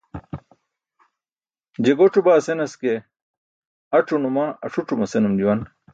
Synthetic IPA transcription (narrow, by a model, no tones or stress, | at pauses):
d͡ʑeɡoʈ͡ʂʰubaːsenɐske | ɐʈ͡ʂʰunumaːɐ̰ʂuʈ͡ʂumɐsenumd͡ʑuwɐn